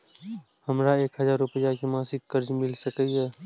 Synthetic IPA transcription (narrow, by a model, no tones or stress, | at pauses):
həmɾaeːkɦəzaːɾʊpəjakimãːsɪkːəɾd͡ʒmɪlsəkəiɛː